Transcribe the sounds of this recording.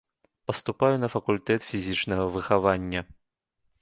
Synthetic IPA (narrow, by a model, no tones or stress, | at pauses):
pɐst̪upajunɐfɐkulʲt̪ɛt̪fʲizʲit͡ʂnɐɣɐvɨxavanʲːɐ